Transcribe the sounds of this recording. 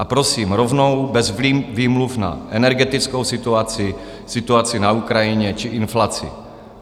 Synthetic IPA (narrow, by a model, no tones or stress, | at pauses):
ʔapɾosiːmɾovno̞wbɛzviviːmlufna̰ʔɛnɛɾɡɛt̪ɪt͡skowsɪt̪uat͡sɪ | sɪt̪uat͡sɪnaukɾajɪɲɛt͡ʃɪʔɪnflat͡sɪ̰